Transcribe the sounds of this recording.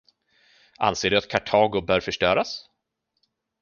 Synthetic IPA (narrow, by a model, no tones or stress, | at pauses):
ʔa̰nseːɖɵat̪̚kʰaʈʰɑːɡʊbœːɾfœʂʈœːɾas